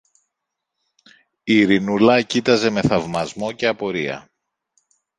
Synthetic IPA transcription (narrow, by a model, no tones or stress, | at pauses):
iɾinulɐcit̪ɐze̞me̞θɐvmɐzmo̞ce̞ɐpo̞ɾiɐ̰